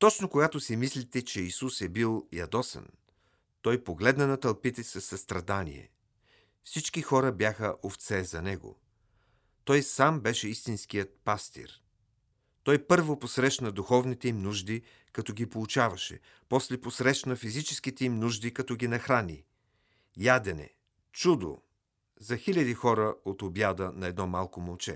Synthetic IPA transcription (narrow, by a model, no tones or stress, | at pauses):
t̪ɔt͡ʃnokoɡat̪osimislit̪ɛt͡ʃɛisusɛbilˠjɐ̰d̪ɔsə̰n | t̪ɔjpoɡlɛd̪nɐnɐt̪ɐlˠpit̪ɛsɐsːɐst̪ɾɐd̪anḭɛ̰ | fsit͡ʃkixɔɾəbjaxəʔoft̪sɛzɐnɛɡo̰ | t̪ɔjsambɛʃɛist̪insk̟ijət̪̚past̪ḭɾ | t̪ɔjpɤɾvoposɾɛʃnəd̪uxɔvnit̪ɛimnuʒd̪i | kɐt̪ɔɡipolˠut͡ʃavɐʃɛ̰ | pɔslɛposɾɛʃnəfizit͡ʃɛskit̪ɛimnuʒd̪ikɐt̪ɔɡinɐxɾanḭ | jad̪ɛnɛ̰ | t͡ʃud̪o̰ | zɐxilʲɐd̪ixɔɾəot̪objad̪ənɐɛd̪nɔmalˠkomolˠt͡ʃɛ̰